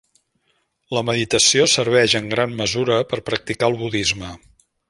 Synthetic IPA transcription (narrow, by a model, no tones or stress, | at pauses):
ləməðit̪əsiosəɾβ̞ɛʒəŋɡɾanməzuɾəpəɾpɾək̚t̪ikaəlˠβuðizmə